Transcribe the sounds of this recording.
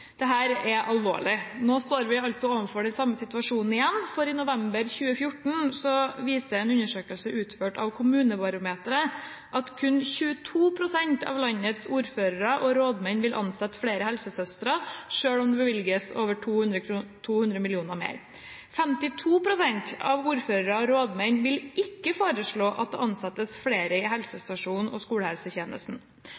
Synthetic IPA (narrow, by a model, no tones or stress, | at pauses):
d̪̥ɛɦæːɾɛʔɑlʋo̰ːɭɪnoːst̪oːɾʋɪɑlt̪sɔoːʋənfɔɖɛnsɑmːəsɪt̪ʉɑʂuːnn̩ɪjɛnːfɔɾɪnʊʋɛmbəɾçʉːəfjʊʈɳ̩sɔʋiːsəɛnʉɲːəʂøːkəlsəʔʉːt̪føːʈɑ̰ʋkʰʊmʉːnəbɑɾʊmeːt̪əɾə | ʔɑt̪kʰʉnçʉːət̪ʰuːpʰɾʊsɛnt̪ʰɑ̰ʋlɑnːət̪suːɾføːɾəɾəʔɔɾoːd̪mɛnʋɪlʔɑ̰nsɛt̪ːfɽeːɾəhɛlsəsœst̪ɾɑʂøːɽɔmd̪ɛbəʋɪlɡəso̰ːʋəʈʰuːʉnd̪ɾət̪ʰuːhʉnd̪ɾəmɪlɪuːnəmḛːɾ | fɛmt̪ɪt̪ʰuːpɾʊsɛɲt̪ɑ̰ʋuːɾføːɾəɾɑɔɾoːd̪mæɪnʋɪlʔɪkːəfoːɾəʂɭoːʔɑt̪̚d̪ɛ̰ːʔɑnsɑt̪ːəsfɽeːɾəɪɦɛlsəst̪ɑʂuːnn̩ɔ̰skuːɽəhɛlsəçeːnə̰st̪n̩